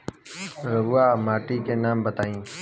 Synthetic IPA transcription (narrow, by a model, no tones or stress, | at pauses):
ɾəʋuaːmaːʈiːkeːnaːmbət̪aːĩː